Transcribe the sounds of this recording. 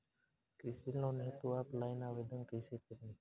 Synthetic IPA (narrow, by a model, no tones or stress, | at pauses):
kiːsilnõːneɦt̪oːaːplaːinãːʋeːd̪ʱənkiːseːkəɾĩː